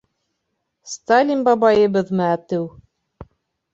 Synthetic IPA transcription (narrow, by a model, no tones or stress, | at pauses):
st̪alʲinbɑbɑjɤ̆βɤðmɤæt̪ɘw